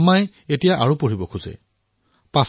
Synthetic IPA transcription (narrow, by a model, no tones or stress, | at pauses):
maj | etijaʔaɹupoɹibɔkʰuzɛ̰ | pas